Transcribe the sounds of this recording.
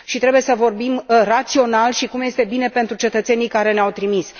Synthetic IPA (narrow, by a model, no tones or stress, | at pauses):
ʃit̪ɾe̞buje̞səvo̞rbimrat̪sio̞nalʃikumje̞st̪e̞bine̞pe̞nt̪ɾut͡ʃe̞t̪ət̪se̞nijkaɾe̞neawt̪ɾimis